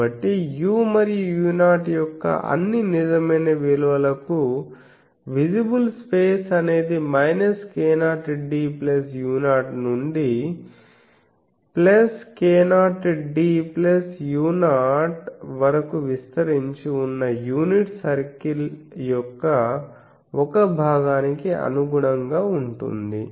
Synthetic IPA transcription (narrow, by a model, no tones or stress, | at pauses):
ɐʈːijuːmɐɾijujuːnaːʈjɔkːɐ̰ʔɐ̰nːinid͡ʒɐmɐjnɐʋiluʋɐlɐku | ʋid͡ʒibulspeːsɐne̞ːd̪imɐjnɐskeːnaːʈɖiːplɐsjuːnaːʈnuɳɖi | plɐskeːnaːʈɖiplɐsjuːnaːʈʋɐɾɐkuʋist̪ɐɾiɲt͡ʃiunːɐjuːniʈsɐɾkil | jɔkːɐ | ɔkɐbʱaːɡaːnikiɐ̰nuɡuɽɐŋɡaːuɳʈṵnd̪i